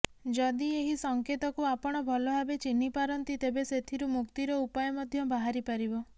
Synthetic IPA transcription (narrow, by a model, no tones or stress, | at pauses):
d͡ʒɔd̪ieɦisɔŋket̪ɔkuapɔɽ̃ɔbʱɔlɔɦabet͡ʃinipaɾɔnt̪it̪ebeset̪ʰiɾumukt̪iɾɔupajɔmɔd̪ʱjɔbaɦaɾipaɾibɔ